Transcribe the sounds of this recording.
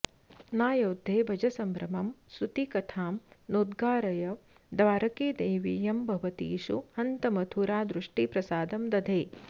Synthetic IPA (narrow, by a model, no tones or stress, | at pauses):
naːjoːd̪ʱːeːbʱɐd͡ʒɐsɐmbɾɐmɐmsut̪ikɐt̪ʰaːmnoːd̪ɡaːɾɐjɐ | d̪ʋaːɾɐkeːd̪eːʋijɐmbʱɐʋɐt̪ḭːʂṵhɐnt̪ɐmɐt̪ʰuɾaːd̪ɾuʂʈipɾɐsaːd̪ɐmd̪ɐd̪ʱeː